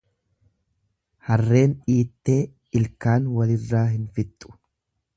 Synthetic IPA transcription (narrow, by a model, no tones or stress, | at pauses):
hɐrːe̞ːnᶑiːt̪ːe̞ː | ɪlkaːnwɐlɪrːaːɦɪnfɪt̪ʼːʊ̥